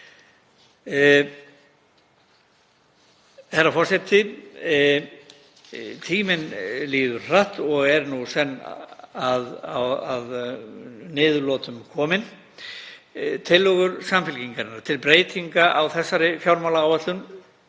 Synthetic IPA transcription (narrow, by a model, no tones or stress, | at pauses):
θɛɾːafɔr̥sɛt̪ɪ | t̪ʰiːmɪnliːðʏɾ̥r̥aht̪ɔɣɛɾnusɛnːaðawað | nɪːðʏlɔːt̪ʏmkʰɔːmɪn | t̪ʰɪlːɔɣʏɾsamfɪlciŋkaɾɪnːaɾ̥t̪ʰɪlpɾeːjt̪iŋkaʔawθɛsːaɾɪfjawɾmawlaawvat̪lʏn